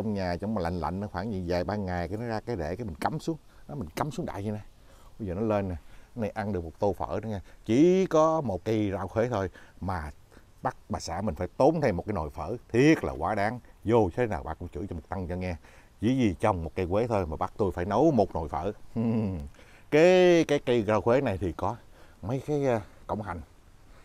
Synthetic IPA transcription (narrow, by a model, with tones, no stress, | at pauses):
t͡ɕɔ˧wŋ͡mɲaː˨˩t͡ɕɔ˧wŋ͡mmaː˨˩la̰˧˨jŋ̟la̰˧˨jŋʔɔː˧˦waː˧˩nɲḭ˧˨nzaː˨˩jɓaː˧ŋa˨˩jka˧˦nɔ˨˦zaː˧kaː˨˦jɗḛ˧˩kaː˨˦jmi˨˩ŋ̟ka˨˦msu˨˦əŋa˨˦mï˨˩ŋ̟ka˨˦msu˨˦ŋɗa̰ː˧˨jzi˨˧na˧˩ | ɓə˧jzəː˨˩nɔ˨˦jle˧nːa˨˩˨na˧jʔa˧nɗɨ˨˩ək̚mo˨˩t̚t̪o˧fə̰ː˧˥˨nɔ˨˧˦ɲaː˧t͡ɕi˧˩kɔ˨˦mo˨˩t̚kaː˨˧˦jzaː˧˨wxwe˨˦t̪ʰo˧jmaː˨˩ | ɓa˦˥k̚ɓaː˨˩saː˧˥mï̟˨˩faː˧˦jt̪o˨˦nt̪ʰɛ˧mo˨˩kːaː˨˦no̰˨˩jfə̰ː˧˨t̪ʰi˦˥ət̚la̰ː˨˩kwaː˨˦ɗaː˨˦ŋzo˨˩˧tʰe˨˦naː˨˩wɓa̰ː˧˩kʊ̰˧˥ŋ͡mt͡ɕɨ̰˧˥t͡ɕɔ˧mo˨˩t̚t̪a˧ŋt͡ɕɔ˧ŋɛː˧ | ḭ˧˥zi˨˩t͡ɕɔ˧wŋ͡mmo˨˩t̚kaː˧jkwe˨˦t̪ʰo˧jmaː˨˩ɓa˦˥k̚t̪u˧jfaː˧˩jnə˨˦wmo˨˩t̚no˨˩jfə̰ː˧˨ʔɨ˨˩ | kaː˨˦jkaː˨˦jkə˧ɣaː˧wxwe˨˦na˨˩jt̪ʰi˨˩kɔ˨˦mə˨˦jkaː˨˦jkə̰˧˩wŋ͡mha˨˩ŋ̟